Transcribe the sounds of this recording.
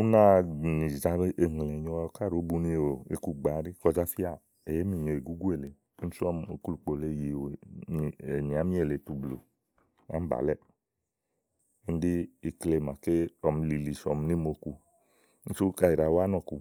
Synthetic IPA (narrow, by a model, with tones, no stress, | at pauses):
u˦na˦˧˨ni˨za˧˦ɾʔe˨ŋ˨lɛ˨ɲɔ˧ka˦˨ɾo˨˦bu˧ni˧˨o˨ḛ˨ku˧ɡ͡ba˨˦ɾi˦kɔ˧˨d͡ʒa˦fi˦a˦˨ | e˨je˦mi˦˨ɲo˨e˨ɡu˦ɡu˦e˨le˨˦ | sɔ˦mo˧ku˦lu˧˨k͡po˧le˧˨je˨w | e˨ni˨a˨˦mi˦e˦˨le˨tu˧blo̰˨ | a̰˦m̩˦ba̰˨lɛ˦ | e˦n˦di˦i˧kle˧˨ma˨ke˦ɔ˧m˧li˧li˨sɔ˧m˧ni˦mo˧ku˧˦ | n̩˦su˦ka˧i˨ɾa˨˦wa˦nɔ˧˨ku˧